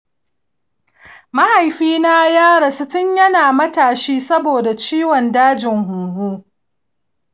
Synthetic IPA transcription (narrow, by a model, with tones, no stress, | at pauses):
mɐ˦ha˨jɸiː˦na˦jaː˦ɾɐ˨sʊ˦tʊ˦ɲjɐ˦naː˨mɐ˦taː˨ʃiː˦sɐ˦boː˨da˨t͡ʃiː˦wɔ˨ndaː˦d͡ʒɪ˨ŋɦʊ˨ɦuː˦